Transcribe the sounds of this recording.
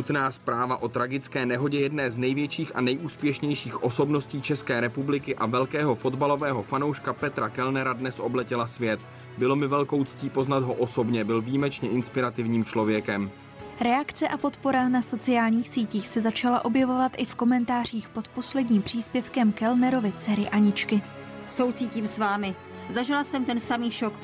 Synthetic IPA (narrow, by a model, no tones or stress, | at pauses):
ut̪naːspɾaːvaʔo̞t̪ɾaɡɪt͡skɛːnɛɦo̞ɟɛjɛdnɛːznɛjvjɛt͡ʃiːxʔa̰nɛjʔuːspjɛʃɲɛjʃiːxʔo̞so̞bno̞sciːt͡ʃɛskɛːɾɛpublɪkɪʔavɛlkɛːɦo̞fo̞d̪balovɛːɦo̞fanowʃkapɛt̪ɾakɛlnɛɾadnɛsʔo̞blɛcɪlasvjɛt̪ | bɪlo̞mɪvɛlko̞wt͡sciːpo̞znad̪ɦo̞ʔoso̞bɲɛbɪlviːmɛt͡ʃɲɛʔɪnspɪɾat̪ɪvɲiːmt͡ʃlo̞vjɛkɛm | ɾɛakt͡sɛʔapo̞t̪po̞ɾanaso̞t͡sɪjaːlɲiːxsiːciːxsɛzat͡ʃalaʔo̞bjɛvo̞vat̪ʔɪfko̞mɛnt̪aːr̝iːxpo̞t̪po̞slɛdɲiːmpr̥iːspjɛfkɛmkɛlnɛɾo̞vɪt͡sɛɾɪʔaɲɪt͡ʃkɪ | sowt͡siːciːmsvaːmɪ | zaʒɪlasɛmt̪ɛnsamiːʃok